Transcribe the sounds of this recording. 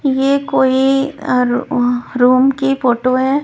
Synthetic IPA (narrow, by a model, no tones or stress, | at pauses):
jeːkoːiɾɾuːmkifoːʈoɦɛː